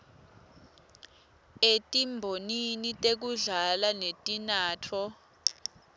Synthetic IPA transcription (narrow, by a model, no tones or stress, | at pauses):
etʼimbʱoninitʼek̬uɮalanetʼinaːtʰɔ